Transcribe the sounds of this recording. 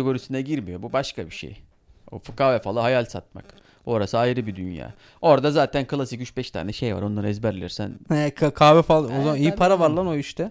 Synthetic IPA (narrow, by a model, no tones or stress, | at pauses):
eɡo̞ɾisinɛɟiɾmijo̞bubaʃkabiʃḛj | o̰fkʰaːvɛfalˠɯɦajalʲsa̰t̪̚ma̰k | o̞ɾasɯajɾɯbid̪ynja̰ː | o̞ɾd̪azaːt̪ʰænkʰɯlˠasicyt͡ʃbɛʃt̪ʰa̰ːnɛʃe̞jva̰ɾo̞nlˠaɾɯɛzbɛɾlʲḭɾsæ̰nɛkʰakʰaːvɛfalˠozamaijipʰaɾavaɾlˠanoyʃt̪ʰɛ